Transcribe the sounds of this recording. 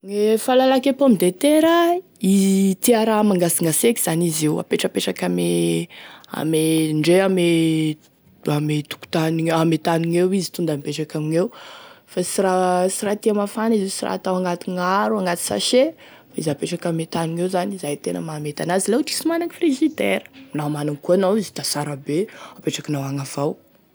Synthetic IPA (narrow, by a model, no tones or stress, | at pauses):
ŋefalalakepoamid̪et̪eɾə | it̪iaɾamaŋɡasiŋɡaseki̥z̥anizewa̰peʈ͡ʂəpeʈ͡ʂakame | a̰meɳɖ͡ʐeame | amet̪u̥ku̥t̪aniamet̪aniŋewizi̥t̪und̪ampeʈ͡ʂakamiŋewfasiɾasiɾat̪iamafanizesira̰t̪awaŋɡat̪iŋaɾuaŋɡat̪i̥sa̰ʃe | faizapeʈ͡ʂakamet̪aniŋewzanizajt̪enə̰mamet̪anazilewʈ͡ʂi̥simanaŋifreʒid̪ḛɾə̥namanaŋkuanowizi̥t̪asaɾabeapeʈ͡ʂakinawaŋav̥aw